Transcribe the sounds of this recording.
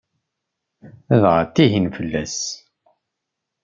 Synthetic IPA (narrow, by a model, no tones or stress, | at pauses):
əðʁət̪ːiɦinfəlːæs